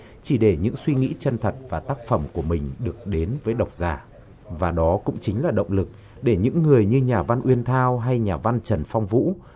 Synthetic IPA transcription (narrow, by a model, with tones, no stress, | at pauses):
t͡ɕi˧˩ɗe˧˩ɲɨ̰˧˥ŋswi˧ŋḭ˧˥t͡ɕə˧nt̪ʰə˨˩t̚vaː˨˩t̪aː˦˥k̚fə˧˩mku˧˩əmï˨˩ŋ̟ɗɨ˨˩ək̚ɗe˨˦nvəː˨˦jɗə˨˩wk͡p̚zaː˧˩ | vaː˨˩ɗɔ˨˦kʊ̰˧˥ŋ͡mt͡ɕï˨˦ŋ̟laː˨˩ɗə̰˧˨wŋ͡mlɨ˨˩k̚ | ɗe˧˩ɲɨ̰˧˥ŋːɨ˨˩əjɲɨ˧ɲaː˨˩va˧nʔwi˧ənt̪ʰaː˧wɦa˧jɲaː˨˩va˧nt͡ɕə˨˩nfa˧wŋ͡mvṵ˧˥